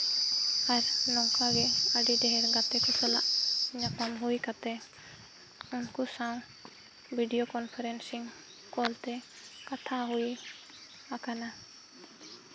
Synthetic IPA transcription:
aɾnɔwkaɡɛəɖiɖɛɦɛɾɡat̪ɛkɛsɔla̰ʔɲapamɦuikat̪ɛ | ʊnkusaw̃ | bʱiɖijokɔnpʰɛɾɛnsiŋ | kɔlt̪ɛ | kat̪ʰaɦui | akana

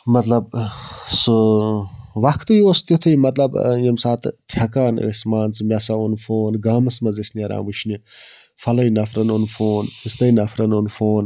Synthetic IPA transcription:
mɐt̪lɐbsu | ʋɐkʰt̪ɨjoːst̪ʲjut̪ʰɨjmɐt̪lɐbjɐmsaːt̪t̪ʰjɐkaːn̰əsmaːnt͡sɨmʲɐsaunfoːnɡaːmɐsmɐzisnɐɾa̰ːʋuʃʰni | fɐlɐjnɐfɾɐnonfʰoːnist̪ɐjnɐfʰɾɐnonfoːn

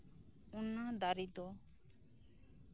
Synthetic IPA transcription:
unːad̪aɾid̪ɔ

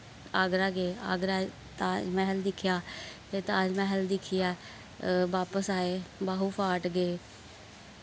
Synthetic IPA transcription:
əːɡɾaːɡeːa̰ɡɾaː | t̪amɛ̃ːɦəld̪ɪkʰːjaː | eːt̪ãːd͡ʒmɛ̃ːɦəld̪ɪkʰːɪjaː | ʋaːpəsaːeːbaːɦuːpʰaːʈɡeː

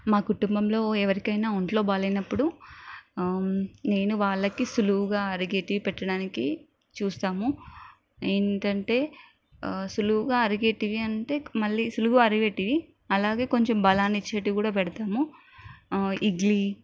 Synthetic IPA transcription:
maːkuʈumbɐmlo̞ːɛʋɐɾikɐjnaːuɳʈlo̞ːbaːlɐjnɐpːuɽu | ne̞ːnuʋaːɭːɐkisuluʋuɡaːɐɾiɡeːʈiʋipɛʈːɐɽaːniki | t͡ʃuːst̪aːmu | eːɳʈɐɳʈe̞ː | suluuɡaːɐɾiɡe̞ːʈiʋiɐɳʈe̞ːmɐɭːiːsuluɡuɐɾiʋeːʈiʋi | ɐlaːɡe̞ːko̞ɲt͡ʃembɐlaːnit͡ʃːeːʈːikuːɽaːpɛɽɐt̪aːmu | iɡli

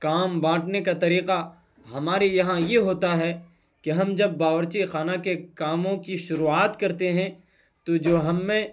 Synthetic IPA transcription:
kaːmbãːʈnekat̪ɐɾiːqa | ɦɐmaːɾejɐɦãjeɦoːt̪aɦɛ | keɦɐmd͡ʒɐbːaːʋəɾt͡ʃixaːnakekaːmõkiʃʊɾuːaːt̪kɐɾt̪eɦɛ̃ | t̪od͡ʒoːɦɐmːẽ

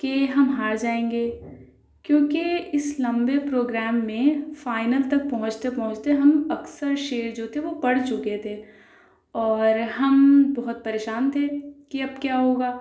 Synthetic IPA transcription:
keɦɐmɦaːɾd͡ʒaːẽːŋɡeː | kjõːkeɪslɐ̃mbepɾoːɡɾɛːmːẽfaːɪnəlt̪ɐk̚pɐɦʊ̃t͡ʃt̪epɐɦʊ̃t͡ʃt̪eɦɐmɐksəɾʃeːɾd͡ʒoːt̪ʰeʋopɐɽ̤t͡ʃʊket̪ʰe | ɔːɾɦɐmbɔɦʊt̪̚pɐɾeːʃaːnt̪ʰekiɐbkjaːɦoːɡaː

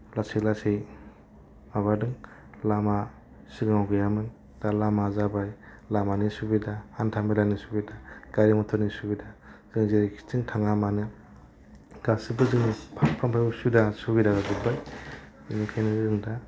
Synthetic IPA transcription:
laselasej | maβadɯŋ | lama | siɡmawɡɯjamɯn | d̥alamazabaj | lamanisubidahantʰambilanisubidaɡ̥aɾimɔtʰɔnisubidaz̥ɯŋzeɾikʰi̥tiŋtʰaŋamanɯ | ɡasibɯzɯŋnipʰaŋpʰampʰajbɯsudasubidaɡaɡɯbaj | inikʰajniɾɯŋda

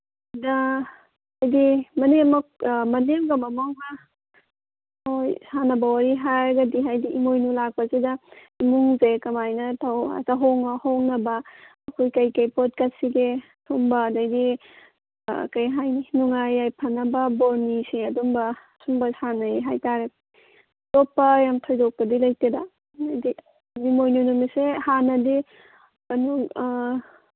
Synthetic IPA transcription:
dɐ | dajɡimɐnemɐk̚mɐnemɡamɐmawɦa | ojsanɐbawaɾiɦaɾɡadiɦajdiʔimojnulak̚pɐzedɐ | imuŋzekɐmajnɐtʰawɐ̰taɦoŋahoŋnɐbɐː | kʰojkɐjkɐjpot̚kɐt̚siɡe | tʰuŋbɐdajdi | kajɦajninuŋajːajpʰɐnɐbɐboɾnisiɐdumbɐ | sumbɐsanɐjɦajtaɾe | topːɐjamtʰɔjdɔk̚pɐdilɐjteda | dajdi | bimojnunumisehanɐdi | kɐnu

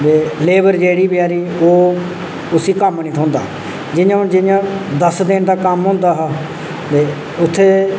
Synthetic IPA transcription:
beːleːbəɾd͡ʒeːɽiːbɪjaːɾiːoː | ʊsiːkəmniːt̪ʰɦõːnd̪a̰ː | d͡ʒɪjãːd͡ʒɪjãːd̪əsd̪ɪnd̪aːkəmɦõːnd̪aːɦaː | t̪eː | ʊt̪ʰːeː

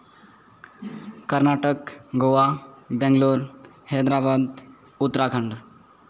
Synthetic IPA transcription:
kəɾnaʈəkɡoʋabɛ̃ŋɡloːɾ | hɛd̪ɾabad̪ | ut̪ːɾakʰəɳɖ

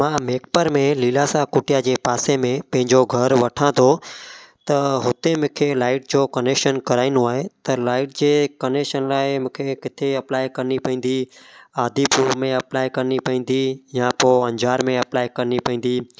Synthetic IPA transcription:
mãːmeːk̚pəɾmẽliːlaːsakʊʈjad͡ʑeːpaːsemẽpɐ̃ɦɪ̃ɲd͡ʑoɡʱəɾʋɐʈʰãːd̪ʰot̪ɐɦʊt̪emʊ̃ːkʰelaːɪʈ̚d͡ʑoːkənekʃənkɐɾaːɪnũaːɦet̪ɐlaːɪʈ̚d͡ʑeːkənekʃənlaːɪmʊ̃kʰekɪt̪ʰeɐplaːɪkɐɾnipɐ̃ĩn̆d̪iaːd̪ʱipuːɾmẽɐplaːjkɐɾnipɐ̃ĩːn̆d̪ijãpoːɐ̃ɲd͡ʑaːɾmẽɐplaːjkɐɾnipɐɦĩːn̆d̪iː

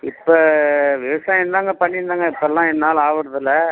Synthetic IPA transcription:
ɪpːɐːʋɪʋɐsãːjɛnd̪aːŋɡɐpɐɳːɪɾnd̪aːŋɡɐɪpːɐlːãːɛnːaːlaːʋɯɽɐðɯlːɐ

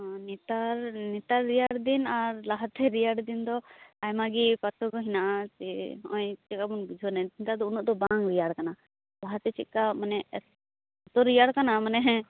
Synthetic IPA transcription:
nit̪aɾnit̪aɾːijaɽd̪inaɾlaɦat̪ɛɾijaɽd̪ind̪ɔajmaɡipat̪ɔɡɔɦinaʔat͡ʃɛɔ̰̃jt͡ʃɛkabunbid͡ʒʱɔnaint̪ad̪ɔunuʔd̪ɔbaŋɾijaɽkana | laɦat̪ɛt͡ʃit̪̚kamanɛ | ɔt̪ɔɾːijaɽkanamanɛɦɛ̃

